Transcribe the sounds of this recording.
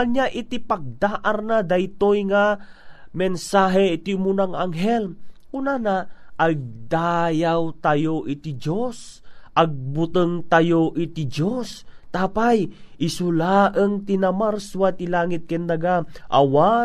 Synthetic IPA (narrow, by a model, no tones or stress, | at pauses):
aɲaʔɪt̪ipaɡ̚d̪aːʔaɾnad̪ajt̪ojŋa | mɛnsaɦɛt̪iumunaŋʔaŋɦɛlʔunanaʔːɡ̚d̪aːjawt̪ajoʔit̪id͡ʒosʔaɡ̚bʊt̪ɨŋt̪ajoʔit̪id͡ʒost̪aːpajʔɪsulaʔəŋt̪inamaɾswat̪ilaːŋɪt̪̚kɛnd̪aɡaʔa̰wa